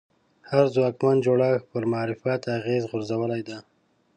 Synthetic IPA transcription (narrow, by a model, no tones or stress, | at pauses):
haɾzwɑkmand͡ʒoɽaxpəɾmaɑɾɪfat̪aɣezɣʊɾzawəlajd̪a